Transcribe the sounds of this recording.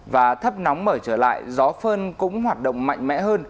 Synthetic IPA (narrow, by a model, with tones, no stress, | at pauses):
vaː˨˩t̪ʰə˦˥p̚nɔ˨˦wŋ͡mməː˧˩t͡ɕəː˧˩la̰ː˧˨jzɔ˨˦fəː˧nkʊ̰˧˥ŋ͡mɦwaː˨˩t̚ɗə̰˧˨wŋ͡mma̰˧˨jŋ̟mɛ̰˧˥ɦəː˧n